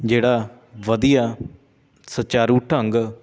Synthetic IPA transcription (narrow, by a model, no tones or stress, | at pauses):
d͡ʒeːɽaː | ʋəd̪ijaː | sət͡ʃaːɾuʈʰəŋɡ